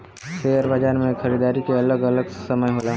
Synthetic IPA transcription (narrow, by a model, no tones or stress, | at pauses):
feːəɾbəd͡ʒaːɾmẽxʰəɾiːd̪aːɾikeɐləɡɐləɡsəməjɦoːlaː